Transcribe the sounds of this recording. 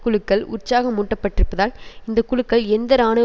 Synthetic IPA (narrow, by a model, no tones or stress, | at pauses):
kːʊɭɯkːɐɭʊ̰rt͡ʃaːɣɐmːʊʈːɐpːɐʈːɪɾɯpːɐðaːlɪnd̪ɐkːʊɻɯkːɐɭɛnd̪ɐɾaːnɐ